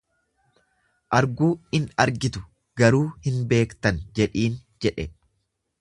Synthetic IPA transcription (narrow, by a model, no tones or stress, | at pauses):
ʔɐɾɡuːɪnɐɾɡɪt̪ʊ̥ | ɡɐɾuːhɪnbe̞ːkt̪ɐnd͡ʒɛᶑiːnd͡ʒɛᶑɛ̰